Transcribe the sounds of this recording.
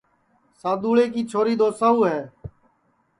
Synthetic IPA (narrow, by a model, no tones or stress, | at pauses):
saːd̪uːɭeːkiːt͡ʃʰoːɾiːd̪oːsəɦuːɦɛː